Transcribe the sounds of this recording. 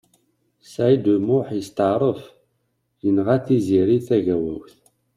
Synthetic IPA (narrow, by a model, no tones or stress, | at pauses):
sajd̪umʊħjəst̪əʕɾˤəf | jənʁæθiziɾiθæʝæwæwθ